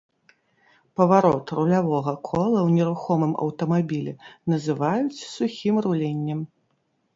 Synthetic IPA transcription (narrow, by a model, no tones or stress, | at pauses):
pɐvaɾɔt̪rulʲavɔɣɐkʰɔlˠɐwnʲɛɾuxɔmɨmɐ̰wt̪ɐmabʲilʲɛnɐzɨvajut͡sʲsuxʲimrulʲenʲːɛm